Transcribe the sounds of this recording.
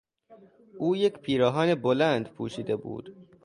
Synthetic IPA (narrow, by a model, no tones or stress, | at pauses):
ʔuːje̞cʰpʰiːɾɒːɦɒːnebolænd̪pʰṵːʃiːd̪e̞bṵːd̪̥